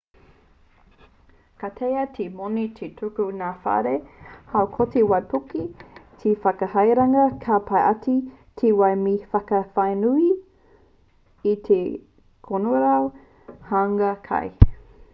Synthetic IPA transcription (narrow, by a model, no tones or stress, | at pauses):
kat̪ʰejɐtʰemonit̪ʰet̪ʰukunaːfa̰ɾehawkʰotiwɐjpukit̪ʰifɐkɐhɐjɾaŋɐkʰapʰɐjʔɐti | t̪ʰewɐjmifɐkɐfɐjnui | it̪ʰe | kʰonoɾaw | haŋɐkʰɐ̰j